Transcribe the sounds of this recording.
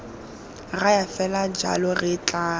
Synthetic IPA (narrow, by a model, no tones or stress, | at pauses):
rajafɛlad͡ʒa̰lɔrɪt͡ɬʼaː